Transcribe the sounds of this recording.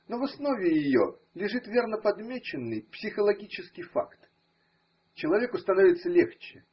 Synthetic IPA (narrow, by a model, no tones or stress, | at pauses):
novɐsno̞vʲɪjɪjo̰lʲɪʐɨt̪vʲe̞rnəpɐd̪mʲet͡ɕɪnːɨjpsʲɪxəlˠɐɡʲit͡ɕɪskʲɪjfa̰kt̪ | t͡ɕɪlˠɐvʲe̞kʊst̪ɐnovʲɪt̪səlʲext͡ɕɪ